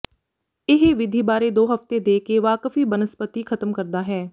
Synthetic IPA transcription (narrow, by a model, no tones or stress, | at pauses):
ɪɦʋɪd̪ʱiːbaːɾeːd̪oːɦəft̪eːd̪eːkeːʋaːkfiːbənəspət̪iːkʰət̪əmkəɾd̪aːɦɛː